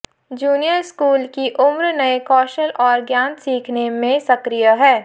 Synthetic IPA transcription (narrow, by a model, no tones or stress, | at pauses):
d͡ʒuːnijəɾskuːlkiʔʊmɾnɐekɔːʃəlʔɔːɾɡjaːnsiːkʰnemẽsɐkɾijəɦɛː